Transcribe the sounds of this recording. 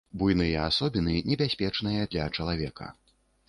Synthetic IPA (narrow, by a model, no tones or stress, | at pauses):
bujnɨjɛasɔbʲinɨnʲɛbʲasʲpʲɛt͡ʂnɨjɐd̪lʲɐt͡ʂɐlˠavʲɛkɐ̰